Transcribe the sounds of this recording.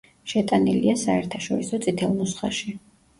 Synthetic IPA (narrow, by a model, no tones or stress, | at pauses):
ʃɛt̪ʼaniliasaɛɾt̪ʰaʃɔɾisɔt̪sʼit̪ʰɛlˠmusχa̰ʃi